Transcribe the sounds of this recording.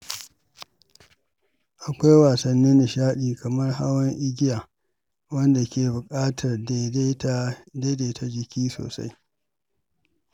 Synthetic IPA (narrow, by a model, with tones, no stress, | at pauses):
ʔa˨kʷa˦jwaː˨sɐ˨nːɪ˦nːɪ˨ʃaː˦ɗiː˨kɐ˨mɐ˦rɦa˦wɐ˦ŋʔɪ˦ɡʲɪ˦jaː˨ | wɐ˦nda˨kʲʰeː˨bʊ˨kʼaː˦tʰɐ˨rde˦tdeː˦deː˨tʰa˨d͡ʒɪ˨kʲʰiː˦so̰ː˨sa̰˦j